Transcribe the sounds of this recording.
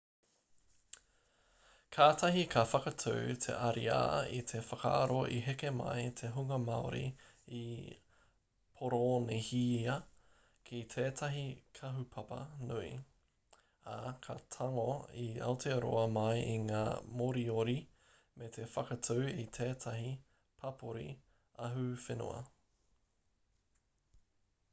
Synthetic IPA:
kʰaːtʰɐɦikʰɐfɐkɐtʰuwtʰḛʔɐɾia̰ːḭt̪ʰefɐka̰ːɾoʔiɦekemɐ̰jt̪ʰeɦuŋɐmɐoɾḭ | i | pʰoɾonehiːɐ | kʰit̪ʰeːtʰɐɦikʰɐɦupʰɐpɐ̰nuḭ | akʰɐt̪ʰɐŋoiɐ̰wtʰeɾo̰ɐmɐjʔiŋaːmoɾioɾi | mʔet̪ʰefɐkɐtʰowit̪ʰeːtʰɐɦi | pʰɐpʰoɾḭ | ɐɦufeno̰ɐ̰

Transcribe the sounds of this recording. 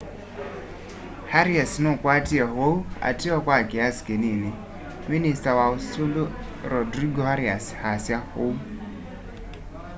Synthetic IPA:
haɾiasnokwatiaɦoua̰tiɔkwakiasi̥kenini | ministawaosulo | ɾɔdɾiɡɔhaɾiashasjahou

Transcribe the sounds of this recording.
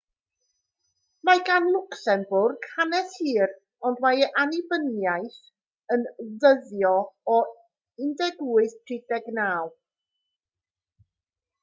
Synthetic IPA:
maɡanlˠʊksɛnbʊrɡ̥hanɛθhiːɾ | ɔndwajʔanibənjajθ | ənðəðjɔɔ | ɪndɛɡuːɨθtʰrɪdɛɡnaːlˠ

